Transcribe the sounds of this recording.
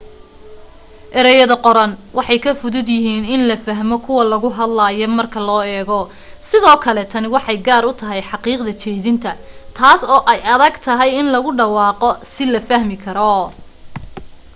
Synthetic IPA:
ʔɛɾɛjɐðɐqɔɾɐnwɑħɑjkʰɐfʊðʊd̪jɪɦiːnɪnlɐfɐɦmɔkʰʊwɐlɐɣʊɦɐd̪laːjɔmɐrkʰɐlɔːɛːɣɔ | sɪðɔːkʰɐlɛt̪ʰɐnɪwɑħɑjɡaːɾʊt̪ʰɐɦɛjħɑqiːqd̪ɐt͡ʃʰɛːðɪnt̪ʰɐ | t̪ʰaːsɔːʔɛjɐðɐɡt̪ʰɐɦɛjɪnlɐɣʊɖɑwɑːqɔsɪlɐfɐhmɪkʰɐɾɔ

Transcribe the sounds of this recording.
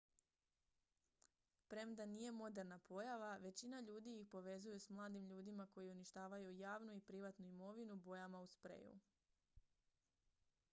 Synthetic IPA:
pɾe̞md̪anije̞mo̞d̪e̞ɾnapʰo̞jaʋaʋe̞t͡ɕinaʎuːd̪ijixpo̞ʋe̞zujusmlˠaːd̪imʎuːd̪imako̞jiuniʃt̪aːʋajujaːʋnuipɾiʋat̪nuimo̞ʋinubo̞jamauspɾḛjṵ

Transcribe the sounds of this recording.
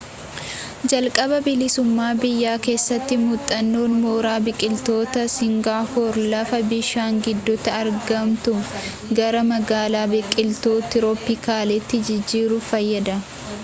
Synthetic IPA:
d͡ʒɐlkʼɐbɐbɪlɪsʊmːaːbɪjːaːke̞ːsːɐt̪ːɪmʊt̪ʼːɐnːoːnmoːɾaːbɪkʼɪlt̪o̞ːt̪ɐsɪŋɡaːhɔɾlɐfɐbɪʃaːŋɡɪd̪ːɔt̪ɐɐɾɡɐmt̪ʊ | ɡɐɾɐmɐɡaːlaːbɪkʼːɪlt̪oːt̪ːɪɾɔpːɪkaːlɛt̪ːɪd͡ʒɪd͡ʒːiːɾʊfɐjːɐd̪ɐ

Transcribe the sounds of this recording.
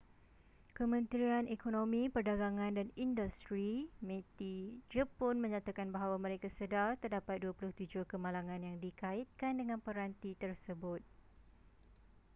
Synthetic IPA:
kəmə̃nt̪ɾianekonõmĩpərdaɡaŋãndanindust̪ɾimẽt̪id͡ʒəpɔnmə̃ɲãt̪akanbaɦawamə̃ɾekasədart̪ərdapat̪̚duapulʊht̪ud͡ʒʊhkəmãlaŋãnjaŋdikait̪̚kandəŋãnpəɾant̪it̪ərsəbʊt̪̚

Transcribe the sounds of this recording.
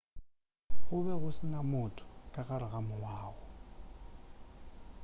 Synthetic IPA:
ɣʊβɛɣʊsɪnamʊtʰʼʊ̥kʼaɣaɾɪɣamʊwaːɣɔ

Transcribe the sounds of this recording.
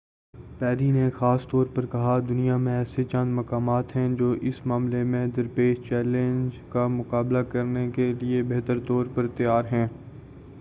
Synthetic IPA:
pɛːɾinexaːst̪ɔːɾpɐɾkɐɦad̪ʊnijamẽɛːset͡ʃɐ̃nd̪mɐkaːmaːt̪ɦɛ̃d͡ʒoːʔɪsmaːmlemẽd̪ɐɾpeːʃt͡ʃɛːlẽnd͡ʒkamʊkaːblakɐɾnekeliebeɦt̪əɾt̪ɔːɾpɐɾt̪ɪjaːɾɦɛ̃ː

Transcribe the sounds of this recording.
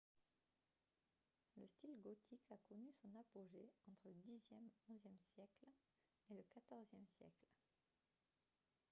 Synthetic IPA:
ləst̪ilɡɔt̪ʰikakɔnysɔ̃napoʒeɑ̃t̪χələd̪izjɛmɔ̃zjɛmsjɛkl | eləkat̪ɔʁzjɛmsjɛ̰kl

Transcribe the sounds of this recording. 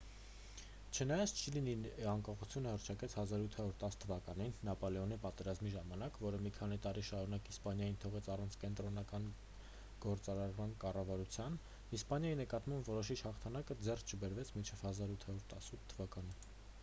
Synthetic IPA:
t͡ʃʰənɑjɑt͡sʰt͡ʃʰəliniɑŋkɑχut͡sʰjunəhərt͡ʃʰɑkɛt͡sʰhɑzɑɾut̪ʰhɑɾuɾt̪ɑst̪ʰəvɑkɑninːɑpɔlɛɔnipɑt̪ɛɾɑzmiʒɑmɑnɑkvɔɾəmikʰɑnit̪ɑɾiʃɑɾunɑkispɑnjɑjint̪ʰɔʁɛt͡sʰɑrɑnt͡sʰkɛnt̪ɾɔnɑkɑn | ɡ̥ɔɾt͡sɑɾɑɾmɑnkɑrɑvɑɾut͡sʰjɑn | ispɑnjɑjinəkɑt̪mɑmbvɔɾɔʃit͡ʃʰhɑχt̪ʰɑnɑkəd͡zɛrst͡ʃʰəbɛɾvɛt͡sʰmint͡ʃʰɛv̥hɑzɑɾut̪ʰhɑɾuɾt̪ɑsut̪ʰːəvɑkɑni

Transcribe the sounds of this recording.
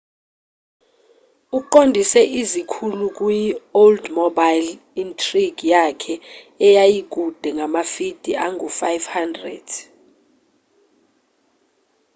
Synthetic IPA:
uǃondʱisɛʔizikʰuluk̬ʼujioldmɔbajl | intʰʼriɡ̥jakʰɛ | ɛjajik̬ʼud̥ʱɛŋamafid̥ʱiʔaŋʱufajvhandrɛd̥

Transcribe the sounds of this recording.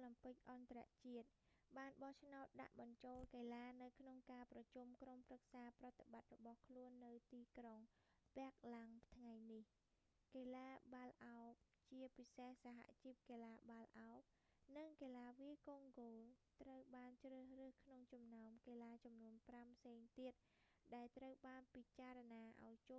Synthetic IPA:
lɑmpɨc̚ʔɑnt̪ara̰ʔt͡ɕiət̪̚ɓaːnɓɑht͡ɕʰnaɔt̪̚ɗa̰ʔɓɑɲt͡ɕoːlkeːlaːnɨwkʰnoŋkaːprɑt͡ɕumkromprək̚saːprɑt̪eɓat̪̚rɔɓɑhkʰluənːɨwt̪iːkroŋ | pɛ̆ək̚laŋt̪ʰŋajnih | keːlaːɓalʔaɔp̚ | t͡ɕiəpisehsaɦa̰ʔt͡ɕip̚keːlaːɓalʔaɔp̚ | nɨŋkeːlaːʋiəkoːŋɡoːlt̪rəwɓaːnt͡ɕrəːhrɨːhkʰnoŋt͡ɕɑmnaɔmkeːlaːt͡ɕɑmnuənprampʰseːŋt̪iət̪̚ | ɗaɛlt̪rəwɓaːnpit͡ɕaːranaːʔa̰ɔjt͡ɕoː

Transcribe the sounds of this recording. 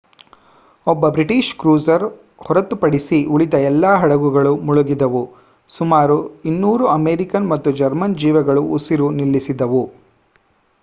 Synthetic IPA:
ɔbːɐbɾiʈiːʃkɾuːzɐɾ | hɔɾɐt̪ːupɐɽisiʔuɭid̪ɐɛlːaːɦɐɽɐɡuɡɐɭumuɭuɡid̪ɐʋu | sumaːɾuinːuːɾuɐmeːɾikɐnmɐt̪ːud͡ʒɐɾmɐnd͡ʒiːʋɐɡɐɭuusiɾunilːisid̪ɐʋu

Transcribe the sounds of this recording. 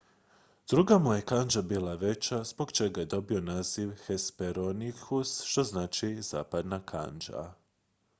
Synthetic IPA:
d̪̥ɾuɡamuje̞kand͡ʒabiːlˠaʋe̞t͡ɕaz̥bo̞ɡt͡ʃe̞ɡaje̞d̪o̞bio̞naːziʋxespeɾonikʰusʃt̪o̞znaːt͡ʃiz̥a̰ːpad̪nakʰa̰nd͡ʒa̰

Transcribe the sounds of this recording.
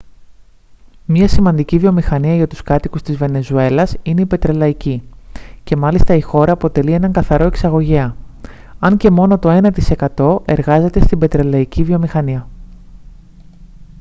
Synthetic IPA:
mɲɐsimɐnd̪icivio̞mixɐniɐʝɐt̪u̥skɐt̪ikust̪izve̞ne̞zue̞lɐsine̞ipe̞t̪ɾe̞lɐicice̞mɐlist̪ɐixo̞ɾɐːpo̞t̪e̞lie̞nɐŋɡɐθɐɾo̞e̞ksɐɣo̞ʝeɐ | ɐɲce̞mo̞no̞t̪o̞e̞nɐt̪ise̞kɐt̪o̞ʔe̞ɾɣɐze̞t̪e̞st̪imbe̞t̪ɾe̞lɐicivio̞mixɐniɐ

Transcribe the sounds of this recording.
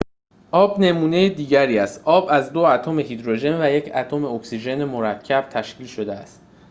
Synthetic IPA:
ʔɒːbne̞muːne̞jed̪iːɟæɾiːæst̪ʔɒːbæzd̪oæt̪ʰome̞hid̪ɾoʒe̞nvæje̞cʰæt̪ʰome̞oksiʒe̞nemoɾæcʰːæb̥̚t̪ʰæʃciːlʃo̞d̪eæst̪̚

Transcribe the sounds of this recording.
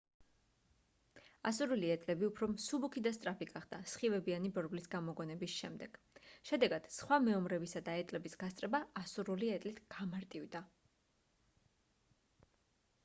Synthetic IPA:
asuɾuliɛt̪ʼlɛbiupʰɾɔmsubukʰid̪ast̪ʼɾapiɡaχd̪asχivɛbianibɔɾɡlisɡamɔɡɔnɛbisʃɛmd̪ɛɡ̥ | ʃɛd̪ɛɡad̪̥sχwamɛɔmɾɛbisad̪aɛt̪ʼlɛbisɡ̥ast̪ʼɾɛbaːsuɾuliɛt̪ʼlit̪ʰɡ̥amaɾt̪ʼivd̪a

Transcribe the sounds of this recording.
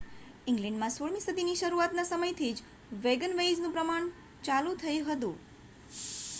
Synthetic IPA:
ɪ̃ŋɡlɛ̃ɳɖmãsoɭmĩsəd̪ʱiniʃəɾuat̪nasəməjt̪ʰid͡ʒ | ʋeɡənʋejd͡ʒnũpɾəmaɳ̃ | t͡ʃalũt̪ʰəjuɦət̪ṵ̃

